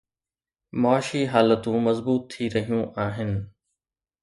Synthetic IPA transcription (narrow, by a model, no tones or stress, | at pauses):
mɔaːʃiɦaːlət̪ũmɐzbuːt̪ʰːiɾɐɦijũʔaːɦɪnɪ̆